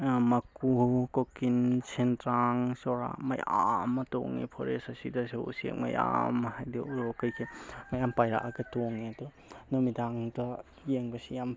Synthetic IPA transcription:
mɐkukokinsentɾaŋsɔɾa̰mɐja̰mɐto̰ŋḭpʰoɾesɐsidɐseṵsḛk̚mɐ̰ja̰mɦajdiuɾokɐjkʰemajampajɾa̰ʔaɡɐtoŋiɐdo | nomidaŋdɐ | jeŋbɐsijam

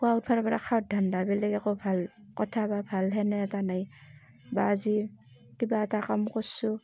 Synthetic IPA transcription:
kuaut̚pʰaɾɔbaɾa̰kʰaɔt̚dʱandabɛlɛɡakɔbʱalkɔtʰababʱalɦɛnɛtanaj | ba̰ːzi | kibaːtakamkɔsu

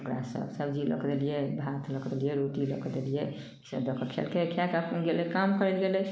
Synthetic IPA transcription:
okɾa̰sə̰bsəbd͡ʒilə̰kd̪elijebʱat̪ʰləkd̪elijeɾoʈiləkd̪elije | sə̰bd̪əkʰət͡ʃʰḛlkekʰjakəpnɡelekamkəɾɛlɡelɛ

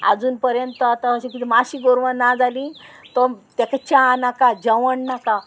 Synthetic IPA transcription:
a̰d͡zuːnpəɾjənt̪əat̪aəɕẽkit̪imaɕiɡoɾʋanad͡zalĩt̪ɔt̪ekat͡ɕãnakad͡ʑəʋəɳnaka

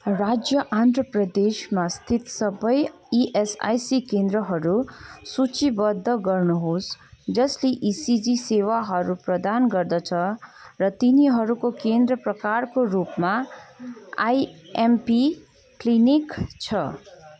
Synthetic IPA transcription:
rad͡zjʌʔand̪rʌprʌd̪esmast̪ʰit̪sʌbʌj | iʔesa̰jsikend̪ɾʌɦʌɾusut͡sibʌd̪ʱːʌɡʌrnuɦosd͡zʌsleʔisid͡zisewaɦʌɾuprʌd̪anɡʌrd̪ʌt͡sʰʌrʌt̪iniɦʌɾukokend̪rʌprʌkarkorupma | a̰jempi | klinikt͡sʰʌ

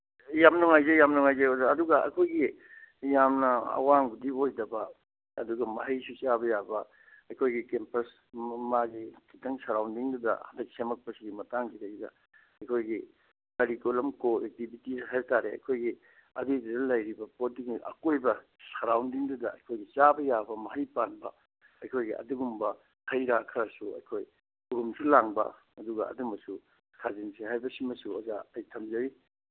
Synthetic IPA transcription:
jamnuŋajzejamnuŋajzeodɐduɡɐɐ̰jkʰojɡi | jamnɐɐ̰waŋɡudiojdɐbɐ | ɐduɡɐmɐɦɐjsusabɐjabɐ | ɐjkʰojɡikempɐs | maɡikʰitɐŋsɐɾawndiŋdudɐ̰hɐndɐk̚semɐk̚pɐsiɡimɐtaŋkʰitɐɡidɐ̰ | ɐjkʰojɡi | kɐɾikolɐmkoek̚tibʱitisɦajɾtaɾeɐ̰jkʰojɡi | ɐ̰didudɐlɐjɾibɐpodikiʔɐ̰kojbɐ | sɐɾawndiŋdudɐɐ̰jkʰojɡit͡ʃabɐjabɐmɐɦɐjpanbɐ̰ | ɐjkʰojɡiʔɐ̰duɡumbɐ | hɐjɾakʰɐɾɐsuɐ̰jkʰoj | uɾumsulaŋbɐ̰ | ɐduɡɐ̰ɐ̰dumɐsu | kʰazinsʰiɦajbɐsimɐsuɐza̰ɐjtʰɐmzɐɾi

